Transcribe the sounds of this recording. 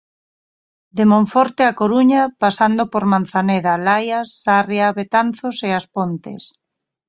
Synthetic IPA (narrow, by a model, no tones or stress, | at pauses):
d̪emõɱfɔɾt̪eakoɾuɲapasand̪opoɾmãnθaneðalajasːarjaβet̪anθoseaspont̪ḛs